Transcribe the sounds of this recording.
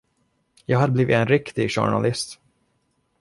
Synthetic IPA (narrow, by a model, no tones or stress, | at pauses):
jɑːɡhad̪əbliːvɪ̰ɛnɾɪkt̪ɪɡɕʊ̰ɳa̰lɪst̪